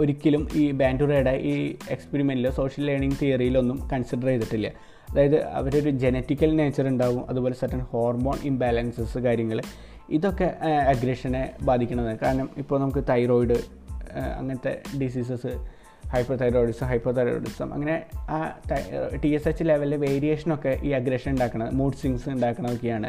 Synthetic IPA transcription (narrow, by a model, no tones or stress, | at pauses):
o̞ɾikʲːɐlumiːbaːnɖureːɽeʔiːekspeɾimeniloːso̞ːʂɐlːeːɳiŋɡt̪ijɐrijilo̞nːumkɐnsiɖɐrejt̪ːiʈːilːɐ̰ | ɐðaːjɐðɨɐ̰ʋɐɾeo̞ɾud͡ʑe̞netːikʲːɐlne̞ːt͡ɕːɐruɳɖaːʋumɐ̰ðubo̞ːlesɐrʈːɐnho̞ːrmo̞ːnimbalɐnsɐsɨkaːɾjɐŋːɐɭ | iðo̞kːe̞ɐɡɾeʂɐnebaːd̪ʱikʲːuɳɐðɨkaːɾɐɳɐmipːoːnɐmukːɨt̪ɐjro̞ːjɖɨ | ɐ̰ŋːɐnɐt̪ːe̞̰ɖis̬iːs̬ɐsɨ | hɐjpːɐrt̪ɐjɾoːɖisɨɦɐjpːɐrt̪ɐjɾo̰ɖisɐ̰mɐ̰ŋːɐne̞aːt̪ɐʈiesesːileʋɐlːeʋe̞ːɾije̞ːʂɐno̞kːe̞ʔiːɐɡɾeʂɐnuɳɖaːkːɐɳɐðɨmuːɖsiŋsɨuɳɖaːkːɐɳɐðokːejaːɳɨ